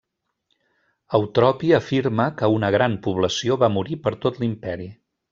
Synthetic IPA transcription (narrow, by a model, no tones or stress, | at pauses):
əwt̪ɾɔpiəfiɾməkəunəɣɾanpuβləsioβamuɾipəɾt̪ot̪limpɛɾi